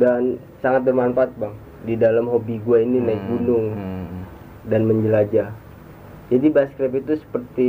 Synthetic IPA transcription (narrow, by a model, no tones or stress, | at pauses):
dan | saŋat̪̚bərmaɱfaːt̪̚baŋ | didalamɦobiɡuaininaɪk̚bunʊŋ | danməɲd͡ʒəlad͡ʒa | d͡ʒadibaskɾɛpit̪usə̥pərt̪i